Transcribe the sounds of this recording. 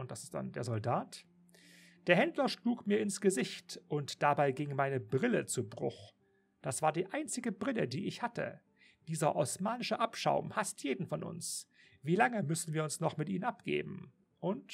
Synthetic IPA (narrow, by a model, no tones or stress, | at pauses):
ʊntd̥asɪ̥st̚d̥a̰ndeːɐzɔldaːt | d̥eːɐhɛndlɐʃluːkmiːɐɪnsɡ̥əzɪçtʔʊntd̥abaɪɡɪŋmaɪnəbʁɪlət͡subʁʊ̰x | d̥asv̥aːɐdiːʔaɪnt͡sɪɡəbʁɪlədiːʔɪçhatə̰ | d̥iːzɐʔɔsmaːnɪʃəʔapʃa̰ʊmhastʰjeːdn̩fɔnʔʊ̰ns | v̥iːlaŋəmʏsn̩viːɐʊnsnɔχmɪtʔḭːnənʔapɡ̥ḛːbm̩ | ʔʊnt